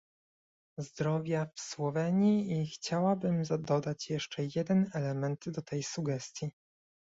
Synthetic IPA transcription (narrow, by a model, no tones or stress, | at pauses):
zd̪ɾɔvʲjafswɔvɛɲiixt͡ɕawabɘmzad̪ɔd̪at͡ɕjɛʂt͡ʂɛjɛd̪ɛnɛlɛmɛnd̪d̪ɔt̪ʰɛjsuɡɛst̪ʲji